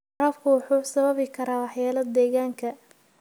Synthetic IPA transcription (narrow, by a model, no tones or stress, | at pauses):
ɾɐːfkʰʊwʊħuːsɐβɐβɪkʰɐɾaːwɑħjaːlɐd̪ɛːɣaːŋkʰɐ